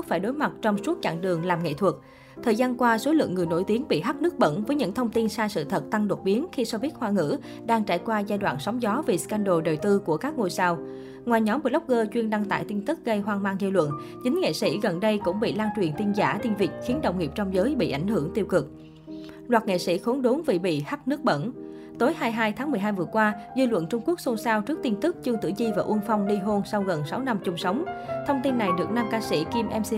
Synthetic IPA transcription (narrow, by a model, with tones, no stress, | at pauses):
t̚faː˧˩jɗo˨˦jma˨˩t̚t͡ɕɔ˧wŋ͡msu˦˥t̚t͡ɕa̰ː˧˨ŋɗɨ˨˩əŋlaː˨˩mŋḛ˧˨t̪ʰwə˨˩t̚k̚ | t̪ʰəː˨˩jzaː˧nkwaː˧so˨˦lɨ̰˧˨əŋːɨ˨˩əjno̰˧˩jt̪i˨˦ənɓḭ˧˨ɦa˦˥t̚nɨ˦˥ək̚ɓə̰˧˥nvəː˨˦jɲɨ̰˧˥ŋt̪ʰə˧wŋ͡mt̪i˧nsaː˧sɨ̰˧˨t̪ʰə˨˩t̚t̪a˧ŋɗo˨˩t̚ɓi˨˦ənxi˧sɔ˧vi˦˥t̚hwaː˧ŋɨ̰˧˥ | ɗaː˧ŋt͡ɕa̰ː˧˩jkwaː˧zaː˧jɗwa̰ː˧˨nsɔ˨˦wŋ͡mzɔ˨˦ve˨˩ska˧nɗo˨˩ɗə˨˩t̪ɨ˧ku˧˩əkaː˦˥k̚ŋo˧˩jsaː˧w | ŋwaː˨˩jɲɔ˨˦mɓə˨˩lə˦˥k͡p̚ɣəː˧t͡ɕwi˧ənɗa˧ŋt̪a̰ː˧˨jt̪i˧nt̪ɨ˦˥k̚ɣə˧jɦwaː˧nmaː˧ŋzi˧wlwə̰˧˨n | t͡ɕï˨˦ŋ̟ŋḛ˧˨sḭ˧˥ɣə˨˩nɗə˧jkʊ̰˧˥ŋ͡mɓḭ˧˨laː˧nt͡ɕwi˨˩ənt̪i˧nza̰ː˧˩t̪i˧nvi˨˩ək̚xi˨˦nɗə̰˧˨wŋ͡mŋi˨˩əp̚t͡ɕɔ˧wŋ͡mzəː˨˦jɓḭ˧˨ʔa˧˩jŋ̟ɦɨ˧˩əŋt̪i˧əwkɨ˨˩k̚ | lwaː˨˩t̚ŋḛ˧˨sḭ˧˥xo˨˦nɗo˨˦nvi˨˩ɓḭ˧˨xa˦˥p̚nɨ˦˥ək̚ɓə̰˧˥˨n | t̪o˨˦jhaː˧jɦaː˧jt̪ʰaː˨˦ŋmɨ˨˩əjɦaː˧jvɨ˨˩əkwaː˧zi˧lwə̰˧˨nt͡ɕʊ˧ŋ͡mku˦˥ək̚so˧nsaː˧wt͡ɕɨ˦˥k̚t̪i˧nt̪ɨ˦˥k̚t͡ɕɨ˧əŋt̪ɨ̰˧˩˨zi˧vaː˨˩ʔu˧ənfa˧wŋ͡mɗi˧ɦo˧nsa˧wɣə˨˩nsa˨˦wna˧mt͡ɕʊ˧ŋ͡msə˨˦wŋ͡mt̪ʰə˧wŋ͡mt̪i˧nːa˨˩jɗɨ˨˩ək̚naː˧ŋkaː˧sḭ˧˩ki˧mʔɛ˧msi˧